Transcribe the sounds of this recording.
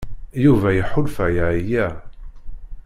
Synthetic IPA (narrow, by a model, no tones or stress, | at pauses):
juvæjəħʊlfæjaʕijæ